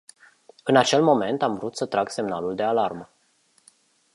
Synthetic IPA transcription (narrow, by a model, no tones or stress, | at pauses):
ɨnat͡ʃe̞lmo̞me̞nt̪aɱvɾut̪sət̪ɾaɡse̞mnaluld̪e̞alarmə